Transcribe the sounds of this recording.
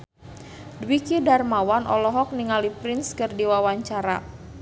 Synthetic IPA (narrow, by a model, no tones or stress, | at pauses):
dwikidarmawanʔɔ̰lɔɦɔk̚niŋalipɾɪnskɨrdiwawaɲt͡ʃaɾa̰